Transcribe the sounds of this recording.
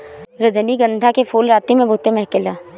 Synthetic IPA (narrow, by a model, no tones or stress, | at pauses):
ɾəd͡ʒəniɡə̃nd̪ʱakefʰuːlɾaːt̪imẽbʱʊt̪emɐɦkɪlaː